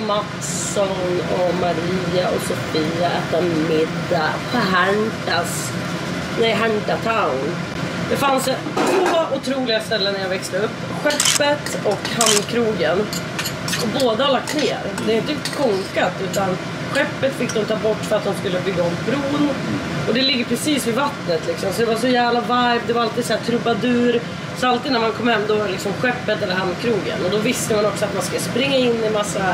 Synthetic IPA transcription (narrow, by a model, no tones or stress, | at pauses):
mat̪s | ɔnɔmaɾiːaɔsɔfiːaɛːt̪amɪd̪ːapʰɔɦæɳʈas | nɛjɦaɳʈat̪ʰaʊn | d̪ɛfans | t̪ʰvoːʔʊt̪ʰɾuːlɪɡast̪ɛlːənːaɾjavɛkst̪əɵpːɧɛpːət̪ɔkhanːkʰɾuːɡən | ɔboːd̪əhalak̚t̪neːɾd̪ɛaɪnt̪əkʰɔŋkat̪ʉ̟ːt̪an | ɧɛpːət̪fɪk̚ːd̪ɔmt̪ʰɑːbɔʈːfœɾat̪̚hʊnskɵlːəbʏɡːaɔmbɾuːnɔd̪ɛlɪɡːəɾpʰɾɛsiːsvɪvat̪nət̪lɪksɔmsɔd̪ɛvaʂɔjæːvlavaɾvd̪ɛvaɾalt̪iːd̪sɔæːt̪ʰɾɵbad̪ʉ̟ːɾ | sɔalt̪iːd̪næɾmankʰɔmhɛmːd̪ɔlɪksɔmɧɛpːət̪ɛlːəɾhand̪kʰɾuːɡə̰nɔd̪ɔvɪst̪əmanɔksɔat̪manskɵlːəspɾɪŋːaɪnːɪmasːa